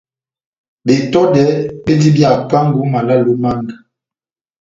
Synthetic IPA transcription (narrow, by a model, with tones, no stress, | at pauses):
be˨tɔ˦dɛ˨˦ɓe˦di˦bja˨ka˦ŋɡu˨˦ma˨la˦lu˦ma˦ŋɡa˨